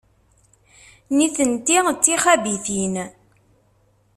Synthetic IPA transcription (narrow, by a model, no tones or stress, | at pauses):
niθənt̪it͡sːiχæbiθin